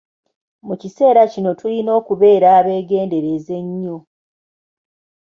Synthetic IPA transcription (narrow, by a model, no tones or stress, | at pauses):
mucise̞ːɾacino̞tulino̞ːkuβe̞ːɾaβe̞ːɡe̞ːnde̞ɾe̞ze̞ɲːo